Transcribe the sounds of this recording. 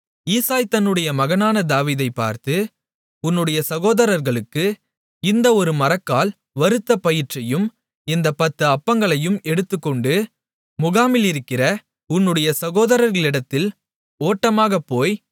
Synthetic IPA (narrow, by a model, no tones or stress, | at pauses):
iːsaːjt̪ɐnːɯɽɐjɐmɐɣɐnaːnɐd̪aːʋiːðɐɪpːa̰ːɾt̪ɯ | ʊnːɯɽɐjɐsɐɣoːðɐɾɐɾɣɐɭɯkːɯ | ɪnd̪ɐɔɾɯmɐɾɐkːaːl | ʋɐɾɯt̪ːɐpɐjɪrt͡ʃɐjɯm | ɪnd̪ɐpɐt̪ːɯɐpːɐŋɡɐɭɐjɯmɛɽɯt̪ːɯkːɔɳɖɯ | mʊɣaːmɪlɪɾɯkːɪrɐ | ʊnːɯɽɐjɐsɐɣoːðɐɾɐɾɣɐɭɪɽɐt̪ːɪl | oːʈːɐmaːɣɐpːoːj